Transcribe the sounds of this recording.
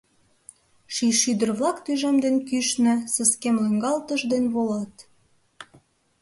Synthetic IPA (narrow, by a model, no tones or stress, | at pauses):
ʃiʃyd̪ə̆rβlɑkt̪yʒemd̪enkyʃnɘ̆sə̆skemløŋɡɑlt̪əʒd̪enβolɑt̪